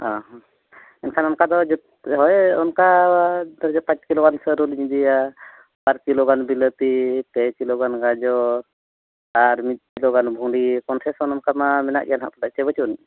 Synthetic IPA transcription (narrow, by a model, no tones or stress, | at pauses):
aɦ | ɛnkʰanɔnkad̪ɔd͡ʒɔ | ɦɔjɔnkad̪ɔɾd͡ʒɔpat͡ʃkilɔɡansəɾulɲd̪ija | baɾkilɔɡanbilət̪ipɛkilɔɡanɡad͡ʒɔɾ | aɾmit̪̚ˀkilɔɡanbʱuɖikɔnsɛsɔnɔnkamamɛna̰ʔɡɛjanɦa̰ʔp̪ɔlaʔt͡ʃɛbət͡ʃun